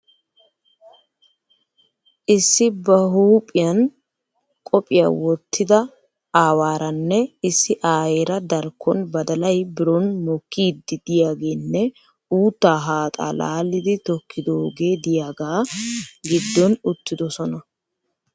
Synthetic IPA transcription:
ʔɪsːɪbɐɦuːpʼɪjɐn | kʼɔpʼɪja̰wɔt̪ʰːɪd̪ɐ | aːwaːɾɐnːɛɪsːɪʔaːjeːɾɐd̪ɐɾkʰːɔnbɐd̪ɐlɐjbɪɾɔnmɔkːiːd̪ːɪd̪̥ɪjaːɡe̞ːnːɛ | uːt̪ːaːɦaːt̪ʼa̰ːla̰ːlːɪd̪ɪt̪ɔkʰːɪd̪oːɡe̞ːd̪ɪjaːɡaːɡɪd̪ːɔnʊt̪ːɪd̪ɔsɔnɐ

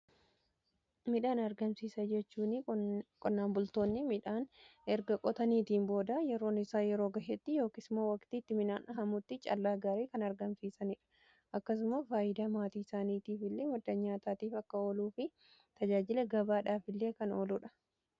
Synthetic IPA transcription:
mɪᶑaːnɐɾɡɐmsiːsɐd͡ʒɛt͡ʃːuːnɪkʼɔnːaːmbʊlt̪o̞ːnːɪmɪᶑaːnʔɛɾɡɐkʼɔt̪ɐniːt̪iːnbo̞ːd̪ɐjɛɾo̞ːnɪsaːjɛɾo̞ːɡɐhet̪ːɪjo̞ːkɪsmoːwɐkt̪iːt̪ːɪmɪnaːnʔɐɦɐmʊt̪ːɪt͡ʃʼɐ̰lːaːɡaːɾeːkɐnɐɾɡɐmsiːsɐnɪᶑɐ̥ | ʔɐkːɐs̬ʊmɐfaːʔɪd̪aːmaːt̪iːɪsaːniːt̪iːfɪlːe̞ːmɐd̪ːɐɲaːt̪aːt̪iːfɐkːɐoːluːfɪ | t̪ɐd͡ʒaːd͡ʒɪlɐɡɐbaːᶑaːfɪlːe̞ːkɐnoːlʊᶑɐ̥

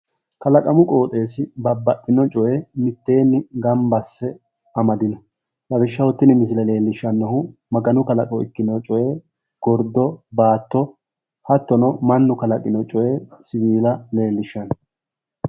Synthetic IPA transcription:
kɐlɐkʼɐmʊkʼo̞ːt̪ʼe̞ːsɪbɐbːɐʔːɪnɔt͡ʃʼɔʔɛmɪt̪ːe̞ːnːɪɡɐmbɐsːɛ | ɐmɐd̪ɪnɐ | lɐbɪʃːɐwɔt̪ːɪnɪmɪs̬ɪlɐle̞ːlːɪʃːɐnːɔhʊmɐɡɐnʊkɐlɐkʼɔɪ̰kːɪnɔt͡ʃʼɔʔe | ɡ̥ɔɾd̪ɔbaːt̪ːɔ | hɐt̪ːɔnɔmɐnːʊkɐlɐkʼɪnɔt͡ʃʼɔʔesɪviːlɐle̞ːlːɪʃːɐn

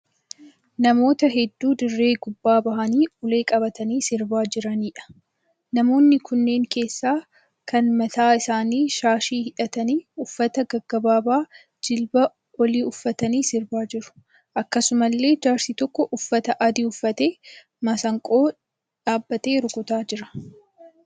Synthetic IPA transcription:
nɐmo̞ːt̪ɐɦɛd̪ːuːd̪ɪrːe̞ːɡʊbːaːbɐɦɐniːʊle̞ːkʼɐbɐt̪ɐniːsɪɾbaːd͡ʒɪɾɐniːᶑɐ̥ | nɐmo̞ːnːɪkʊnːe̞ːŋke̞ːsːaː | kɐnmɐt̪aːɪsaːniːʃaːʃiːhɪᶑɐt̪ɐniːʊfːɐt̪ɐɡɐɡːɐbaːbaː | d͡ʒɪlbɐ | wɔliːʊfːɐt̪ɐniːsɪɾbaːd͡ʒɪɾʊ̥ | ʔɐkːɐsʊmɐlːe̞ːd͡ʒaːɾsiːt̪ɔkːɔʔʊfːɐt̪ɐʔɐd̪iʊfːɐt̪e̞ː | mɐsɐŋkʼo̞ː | ᶑaːbːɐt̪e̞ːɾʊkʊt̪aːd͡ʒɪɾɐ̥

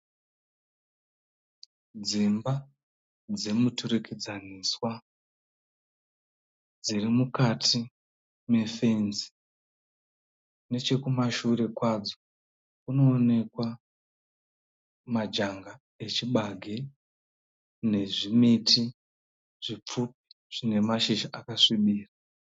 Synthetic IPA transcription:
d͡zimba | d͡ze̞mutuɾekʰed͡zaniːswa | d͡zirimukatʰi | me̞fe̞nzi̥ | ne̞t͡ʃe̞kumaʃure̞kwad͡zo̞ | kuno̞ːne̞kwa | mad͡ʒaŋɡa | e̞t͡ʃiɓaɡʱe | ne̞ʐimitʰi | ʐ̥ip͡fup̚i̥ | ʐ̥ine̞maʃiʃaʔakaʂiɓiːra

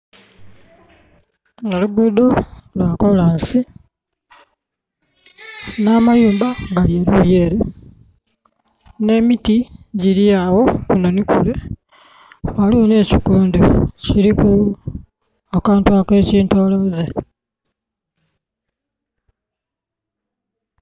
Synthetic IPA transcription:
ŋeluɡuːdolwakolaːnsi | namajuːmbaŋɡaljeːluljeːɾe | ne̞mitiɟiɾiawo̞kunonikṵle | walione̞ːcikuːndociɾiku | akaːntuake̞ːciːntoːlo̞ze

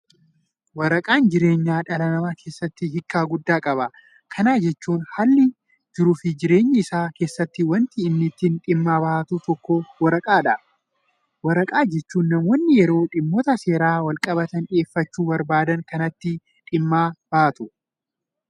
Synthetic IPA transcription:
wɐɾɐkʼaːnd͡ʒɪɾe̞ːɲːaːᶑɐlɐnɐmaːkʰe̞ːsːɐt̪ːɪɦɪkːaːɡʊd̪ːaːkʼɐbɐ | kʰɐnaːd͡ʒɛt͡ʃːuːnhalːɪ | d͡ʒɪɾʊfɪd͡ʒɪɾe̞ːɲːɪɪsaːke̞ːsːɐt̪ːɪwɐnt̪ɪːnːɪt̪ːɪnᶑɪmːaːbɐʔɐt̪ut̪ɔkːowɐɾɐkʼaːᶑɐ | wɐɾɐkʼaːd͡ʒɛt͡ʃːuːnːɐmwɔnːɪjɛɾo̞ːᶑɪmːɔt̪ɐse̞ːɾaːwɐlkʼɐbɐt̪ɐne̞ːfːɐt͡ʃːuːbɐɾbaːd̪ɐŋkɐnɐt̪ːɪ | ᶑɪmːaːb̥ɐʔɐt̪ʊ

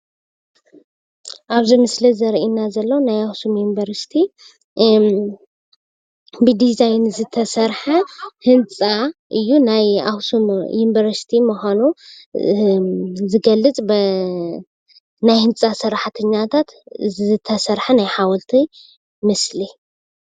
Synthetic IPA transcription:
ʔaβzimɨslizɐɾʔinːazɐlːɐwnajawsumjunbɐɾsi̥t̪ʰi | bɨd̪izajnzɨt̪ʰɐsɐɾħahɨnt͡sʼaʔɨjːunajawsumjunbɐɾst̪ʰimuxʷanu | zɨɡɐlːɨt͡sʼb | najhɨnt͡sʼasɨɾaħt̪ʰɐɲːat̪ʰat̪ɨt̪ʰːɐsɐɾħanajħawɔlt̪ʰi | mɨsli

